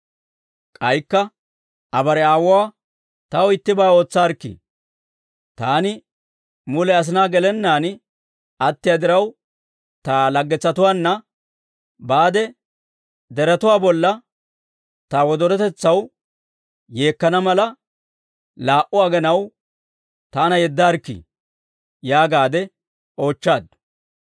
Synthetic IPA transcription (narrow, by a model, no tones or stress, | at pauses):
kʼɐjkːɐ | ʔɐbɐɾɛaːwʊaː | t̪ɐɔɪt̪ːɪbaːo̞ːt͡sːaːɾkːḭ | t̪aːnɪ | mʊlɛɐs̬ɪnaːɡɛlɛnːaːn | ɐt̪ːɪjad̪ɪɾɐw | t̪aːlɐɡːɛt͡sːɐt̪ʊwaːnːɐ | baːd̪ɛ | d̪ɛɾɐt̪ʊwaːbɔlːɐ | t̪awɔd̪ɔɾɛt̪ɛt͡sːɐw | je̞ːkːɐnɐmɐlɐ | laːʔʊɐɡɛnɐw | t̪aːnɐjɛd̪ːaːɾkːḭ | jaːɡaːd̪ɛ | o̞ːt͡ʃːaːd̪